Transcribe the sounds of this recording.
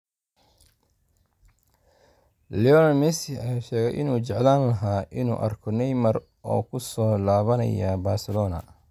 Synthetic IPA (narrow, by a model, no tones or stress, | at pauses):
liɔnɐmɛsɪɐjaʃɛːɣɛjʔɪ̰nuːt͡ʃɛʕlaːnlɐɦaːʔɪnṵːʔɐrkʰɔnɛjmɐr | ʔɔ̰ːkʰʊsɔːlaːβɐnɐ̰jabaːrsɪlɔːnɐ̰